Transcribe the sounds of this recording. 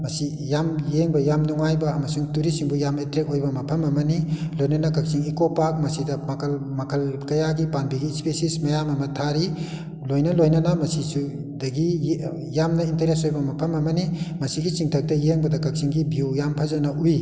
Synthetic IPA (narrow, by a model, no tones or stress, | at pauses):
mɐsi | jamjeŋbɐjamnuŋajbɐːmɐsuŋtuɾisiŋbujametɾek̚ojbɐmɐpʰɐmɐmɐnilojnɐnɐkɐk̚siŋikopak̚mɐsidɐmɐkʰɐlmɐkʰɐlkɐjaɡipanbiɡispesismɐjamɐmɐtʰaɾi | lojnɐlojnɐnɐmɐsisu | dɐɡi | jamnɐinteɾesojbɐmɐpʰɐmɐmɐnimɐsiɡit͡ʃiŋtʰɐk̚tɐjeŋbɐdɐkɐk̚siŋɡibiuwjampʰɐzɐnɐʔuj